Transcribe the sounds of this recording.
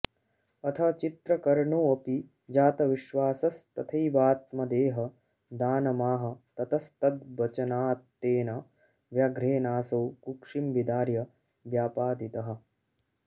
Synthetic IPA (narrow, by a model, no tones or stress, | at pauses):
ɐt̪ʰɐt͡ʃit̪ɾɐkɐɾɳoːɐpi | d͡ʒaːt̪ɐʋiʃʋaːsɐst̪ɐt̪ʰɐjʋaːt̪mɐd̪eːɦɐ | d̪aːnɐmaːɦɐ̆t̪ɐt̪ɐst̪ɐd̪bɐt͡ʃɐnaːt̪ːeːna | ʋjaːɡɾeːnaːsɐwkukʂimbid̪aːɾjɐ | ʋjaːpaːd̪it̪ɐɦɐ̆